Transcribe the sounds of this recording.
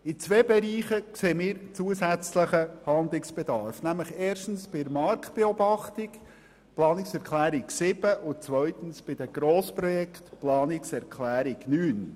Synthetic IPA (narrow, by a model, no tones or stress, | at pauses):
ɪt͡sveːbɛɾiːχəkseːmiːɾt͡suəsæt͡sləχəhɑnd̪lɪksb̥ed̪ɑɾfnæmləχeːʃtn̩sb̥ɪəɾmɑɾktb̥eobɑχt̪ɪk | plɑːnɪksɛɾkʰlæːɾɪksɪb̥əʔʊnt͡sʋœɥt̪ən̩sb̥ɪd̥̪əɡ̥ɾoːspɾɔjɛkt̪plɑːnɪksɛɾkʰlæːɾɪknyːn